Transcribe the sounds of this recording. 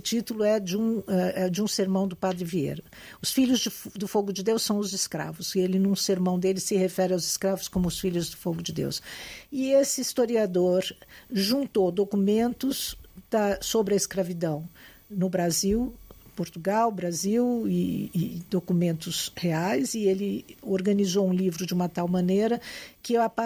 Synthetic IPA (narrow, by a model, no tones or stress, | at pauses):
ʊt͡ʃit̪ulʊɛd͡ʒũɛɛd͡ʒɪũseɾmɐ̃w̃d̪ʊpad̪ɾɪviḛɾʊ | ʊsfiʎʊzd͡ʒɪfd̪ʊfoɡʊd͡ʒɪd̪ewsɐ̃w̃ʊzɪskɾa̰vʊzelɪnũseɾmɐ̃w̃d̪elɪsɪhefɛɾɪawzɪskɾavʊskõmʊʊsfiʎʊzd̪ʊfoɡʊd͡ʒɪd̪ḛwsɪesɪist̪oɾiad̪oɾʒũnt̪owd̪okumẽnt̪ʊzd̪̥ɐsobɾɪɐɪskɾavid̪ɐ̃w̃ | nʊbɾaziwpoɾt̪uɡawbɾaziwɪːd̪okumẽnt̪ʊzheajzɪelɪoɾɡɐ̃nizowũlivɾʊd͡ʒɪũmɐt̪awmɐ̃neɾɐkɪap